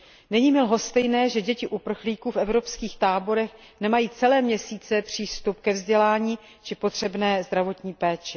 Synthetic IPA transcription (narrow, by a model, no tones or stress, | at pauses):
nɛɲiːmɪlɦo̞st̪ɛjnɛːʒɛɟɛcɪʔupr̩xliːkuːfɛvɾo̞pskiːxt̪aːbo̞ɾɛx | nɛmajiːt͡sɛlɛːmɲɛsiːt͡sɛpr̝̥iːst̪up̚kɛvzɟɛlaːɲiː | t͡ʃɪpo̞t̪r̝̥ɛbnɛːzd̪ɾavo̞t̪ɲiːpɛːt͡ʃɪ